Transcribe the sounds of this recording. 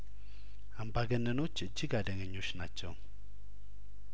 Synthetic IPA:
ambaɡənːəno̞t͡ʃːɨd͡ʒːɪɡad̪əŋəɲːo̞t͡ʃːnat͡ʃːɛ̰w

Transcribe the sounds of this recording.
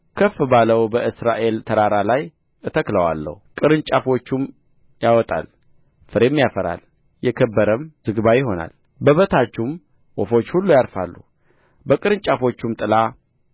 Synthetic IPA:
kʰəfɨbaləwbəʔɨsɾaʔe̞lt̪ʰəɾaɾalaj | ʔɨt̪ʰəkləwa̰lːə̰hukʼɨɾɨnt͡ʃʼafo̞t͡ʃːum | jawɔt̪ʼa̰l | fɨɾemːijafəɾa̰l | jɛkʰəbːəɾəmzɨɡbajɪɦo̞na̰l | bəβət̪ʰat͡ʃːum | wɔfo̞t͡ʃːhulːujaɾfa̰lːu | bəkʼɨɾɨnt͡ʃʼafo̞t͡ʃːumt̪ʼɨla

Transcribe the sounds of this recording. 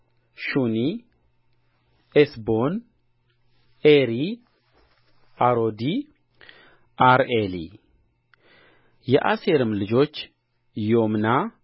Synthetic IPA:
ʃuni | esbo̞n | eɾi | aɾod̪i | ʔaɾelḭ | jɛʔaseɾɨmlɨd͡ʒo̞t͡ʃː | jomna

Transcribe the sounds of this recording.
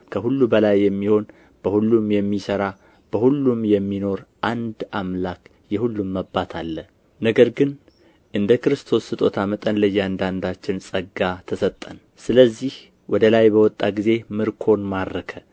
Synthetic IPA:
kʰəhulːubəlajːɛmːiho̞n | b̥əhulːumjɛmːisəɾa | b̥əhulːumjɛmːino̞ɾʔand̪ʔamlak | jɛhulːumːəbːat̪ʰalːə | nəɡəɾɡɨn | ʔɨnd̪əkɨɾɨst̪ʰo̞sɨt̪ʼo̞t̪ʰamət̪ʼənlɨjːand̪and̪at͡ʃːɪnsʼəɡat̪ʰəsət̪ʼːən | sɨləzːih | wɔd̪əlajbəwɔt̪ʼːaɡize̞mɨɾkʰo̞nmaɾːəkʰə

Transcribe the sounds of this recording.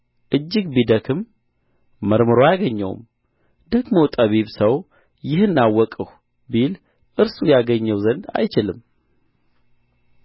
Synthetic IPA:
ʔɨd͡ʒːɪɡbid̪əkʰɨmː | əɾmɨɾojaɡəɲːɛ̰w̰m | d̪əɡmot̪ʼəβiβsəw | jɪhɨnːawːɔkʼɨh | bil | ʔɨɾsujaɡəɲːɛwzənd̪a̰jt͡ʃɪlɨm

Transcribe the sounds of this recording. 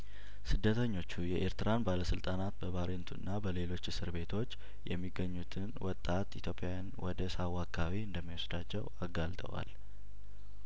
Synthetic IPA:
sɨd̪ːət̪ʰəɲːo̞t͡ʃːujɛʔeɾt̪ɨɾanbaləsɨlt̪ʼanat̪bəβaɾent̪ʰuɨnːabəle̞lo̞t͡ʃːsɨɾbe̞t̪ʰo̞t͡ʃː | jɛmːiɡːəɲːut̪ʰɨnwɔt̪ʼːat̪it̪ʰjo̞pʼjajanwɔd̪əsawːakʼʰawiɨnd̪əmːiwɔsd̪at͡ʃːɛwaɡalt̪ʼə̰wa̰l

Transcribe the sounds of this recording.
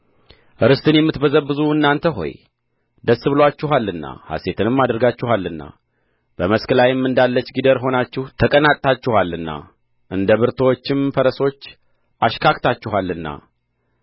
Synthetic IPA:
ʔɨɾɨst̪ʰɨnjɛmːɨt̪bəzəbɨzuɨnːant̪ʰəɦo̞̰j | d̪əsːɨβlwat͡ʃːɪɦalːɨnːa̰ha̰se̞t̪ʰɨnɨmːad̪əɾɡat͡ʃːɪhalːɨnːa̰ | b̥əməskəlajɪmːɨnd̪alːət͡ʃːɡid̪əɾɦo̞nat͡ʃːɪht̪ʰəkʼənat̪ʼt̪ʰat͡ʃːɪhalːɨnːa̰ | ʔɨnd̪əβɨɾt̪ʰəwot͡ʃːɪmfəɾəso̞t͡ʃː | ʔaʃkʰakt̪ʰat͡ʃːɪɦalːɨnːa̰

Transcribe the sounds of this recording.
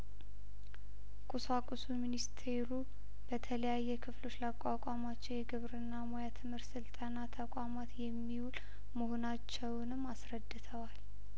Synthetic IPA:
kʼusakʼusuminist̪ʰe̞ɾu | b̥ət̪ʰələjajːɛkʰɨflo̞t͡ʃːləakʷʼakʷʼamat͡ʃːɛwjɛɡɨβɾɨnːamojat̪ʰɨmhɨɾt̪sɨlt̪ʼanat̪ʰəkʷʼamat̪jɛmːiwulʼ | mɨhonat͡ʃːɛwnɨmːasɾəd̪ːɨt̪ʰəwal

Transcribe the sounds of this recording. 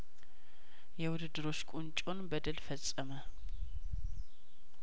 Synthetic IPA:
jɛwʊd̪ɨd̪ːɨɾo̞t͡ʃːkʼunt͡ʃʼonbəd̪əlfəsʼːəmə

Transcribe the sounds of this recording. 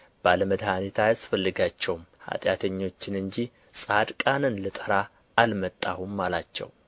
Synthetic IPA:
b̥aləməd̪hanit̪ʰajasfəlːɨɡat͡ʃːɛwmha̰t̪ʼjat̪ʰəɲːo̞t͡ʃːɪnɨɲd͡ʒi | sʼad̪kʼanɨnlət̪ʼəɾa | ʔːlmət̪ʼːahumːalat͡ʃːɛ̰w

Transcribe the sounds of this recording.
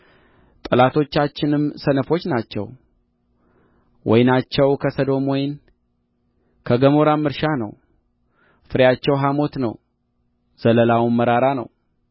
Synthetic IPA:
t̪ʼɨlat̪ʰo̞t͡ʃːat͡ʃːɪnɨmsənəfo̞t͡ʃːnat͡ʃːɛ̰w | wʔɔ̰jnat͡ʃːɛwkʰəsəd̪o̞mɔjn | kʰəɡəmo̞ɾamɨɾʃanə̰w | fɨɾjat͡ʃːɛwɦamo̞t̪nəw | z̥ələlawunːəɾaɾanə̰w

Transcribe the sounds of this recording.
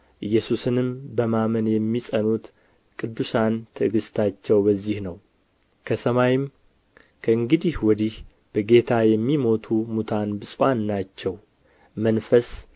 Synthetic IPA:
ʔɨjːɛsusɨnɨmbəmamənjɛmːisʼənut̪ | kʼɨd̪ːusant̪ʰɨɡɨst̪ʰat͡ʃːɛwbəzːihnəw | kʰəsəmajɪm | kʰəɨŋɡɨd̪ihwɔd̪ih | b̥əɡe̞t̪ʰajɛmːimo̞t̪ʰumut̪ʰanbɨsʼwanːat͡ʃːɛw | mənfəs

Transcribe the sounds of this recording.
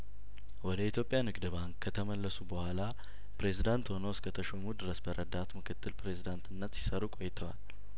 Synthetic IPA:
wɔd̪əit̪ʰjo̞pʼjanɨɡd̪ɨbaŋkkʰːət̪ʰəməlːəsubəhʷala | pɾe̞zid̪ant̪honoskʰət̪ʰəʃomud̪ɨɾəsbəɾʔəd̪at̪mɨkʰɨt̪ːɨlpɾe̞zid̪ant̪ʰɨnːət̪si̥səɾukʼojːɪt̪ʰəwa̰l

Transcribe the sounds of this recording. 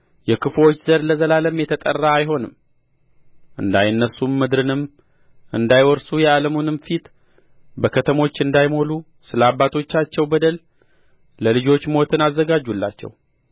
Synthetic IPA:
jɛkʰɨflo̞t͡ʃːzəɾləzəlaləmjɛt̪ʰət̪ʼə̰rːaːjɦo̞nɨm | ʔɨ̰nd̪ajnːəsumːɨd̪ɾɨnɨm | ʔɨnd̪ajwɔɾsujɛaləmunɨmfit̪ | bəkʰət̪ʰəmo̞t͡ʃːɨnd̪ajmo̞lu | sɨləabːat̪ʰo̞t͡ʃːat͡ʃːɛwbəd̪əl | ləlɨd͡ʒo̞t͡ʃːmo̞t̪ʰɨnazːəɡad͡ʒːulːa̰t͡ʃːɛ̰w

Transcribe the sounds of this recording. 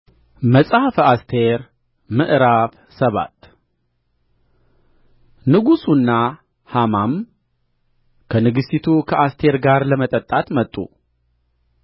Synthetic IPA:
məsʼahfast̪ʰe̞ɾ | mɨʔɾaf | səβa̰t̪ | nɨɡusunːa | hamam | kʰənɨɡɨsit̪ʰukʰəʔast̪ʰe̞ɾɡaɾləmət̪ʼət̪ʼːat̪mət̪ʼːṵ

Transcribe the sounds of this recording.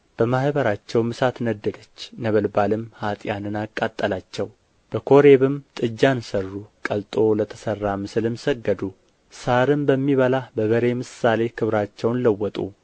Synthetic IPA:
b̥əmahβəɾat͡ʃːɛwmɨsat̪nəd̪ːəd̪ət͡ʃːnəβəlbalɨmhat̪ʼjanɨnakʼːat̪ʼːəlat͡ʃːɛw | b̥əkʰo̞ɾeβɨmt̪ʼɨd͡ʒːansərːukʼəlt̪ʼo̞lət̪ʰə̥sərːamɨsɨlɨmsəɡːəd̪u | saɾɨmbəmːiβəlabəβəɾe̞mɨsːale̞kʰɨβɾat͡ʃːɛwnləwːɔt̪ʼṵ

